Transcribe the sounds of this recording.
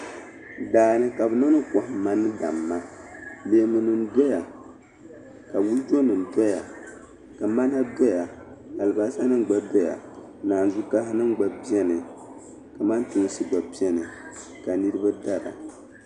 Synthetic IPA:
daː˨nɨ˦ka˨bɨ˨na˦nɨ˦ka˨hma˦nɨ˦da̰˨mːa˦beː˨˦mɨ˨nɨ˨nda˦ja˨ | ka˨wu˦ld͡ʒo˦nɨ˨n˨dɛ˦ja˨ | ka˨ma˦na˦da˦ja˨ | a˨lɨ˨ba˨˦sa˦nɨ˦mɡ͡ba˦dɛ˦ja̰˨ | naː˨n˨zu˦ka˦ɦnɨ˦m˦ɡ͡ba˨bi˦ɛ˦nɨ˨ | ka˨ma˦ntu˨ŋ˦sɨ˦ɡ͡ba˨bi˦ɛ˦nɨ˨ | ka˨nɨ˦ɾɨ˦ba˦da˦ɾa̰˨

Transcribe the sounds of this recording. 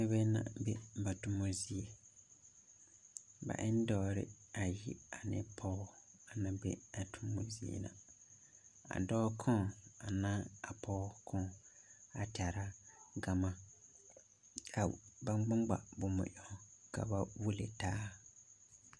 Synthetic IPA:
nɛ̃˦bɛ˦nã̰˨bɛ˦ba˨tʊ̃˦mõ˨zi˦e˨ | ba̰˨ʔɪ̃˦n˦dɔː˦ɾɪ̰˦ | a˨jḭ˦a˨nɪ̰̃˦pʰɔ˦a˨nã˨bḛ˦a˨tʰũ˦mːõ̰˨zi˦ḛ˨nã̰˨ | a̰˨dɔː˦kʰɔ̃˦a˨nãː˦a˨pʰɔː˦kʰɔ̃˦ | a̰˨tʰa˨ɾa˦ɡa˨mã˨ | kʰa˨ba˦ɡ͡bã˦ɡ͡ba̰˨bʊ˨mʊ̰̃˨ʔɔ˨kʰa̰˨ba˦wu˦lḛ˨tʰaː˦

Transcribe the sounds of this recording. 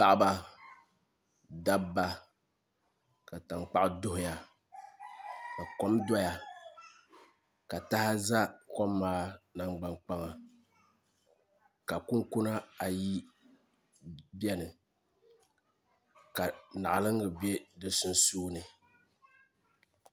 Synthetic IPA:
pa˨ʔba˦ | da˦ba˦ | ka˨ta˨ŋk͡pa˦ʔɪ˦dʊ˦ɦʊ˨ja˨ | ka˨kɔ˦mda˦ja˨ | ka˨ta˦ha˦za˦kɔ˦mːaː˦na˨ŋɡ͡ba˨ŋk͡pa˦ŋa˨ | ka˨kʊ˦ŋkʊ˦na˦a˨ji˦ | bɛ˦nɨ˨ | ka˨na˨ʔa˨lɨ˦ŋɡɨ˨be˦dɨ˦sʊ˦n˦suː˦nɨ˨

